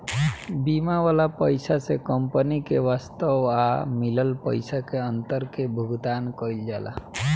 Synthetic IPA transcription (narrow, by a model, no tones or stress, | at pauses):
bimaʋalapəjsasekəmpənikeʋast̪əwamiləlpə̰ɪsakeənt̪əɾkebʱuɡd̪ankəild͡ʒala̰